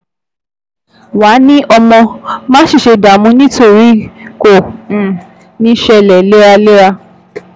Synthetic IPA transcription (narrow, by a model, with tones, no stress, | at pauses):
wa˨˦nĩ˦ʔɔ˧mɔ̃˧mãː˦ʃi˦˨ʃe˧da˨mũ˨˧˦nĩ˦to˦˨ɾi˨˦kõ˦˨ | nĩ˦ʃɛ˧lɛ˨le˦ɾa˧le˦ɾa˧